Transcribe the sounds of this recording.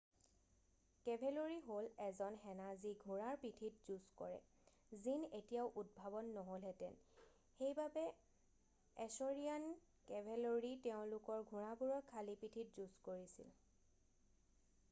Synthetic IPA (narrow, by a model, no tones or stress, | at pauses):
kɛbʱeloɹiɦolɛzɔnxɛnaziɡʱuɹaɹpitʰitzuskɔ̰ɹɛ̰ | zinetijaʊʔud̚bʱabɔnːɔɦolɛtɛ̰n | xejbabɛ | ɛsoɹian | kɛbʱeloɹitɛʊ̃lʊkɔɹɡʱuɹabuɹɔkʰalipitʰitzuskoɹisḭl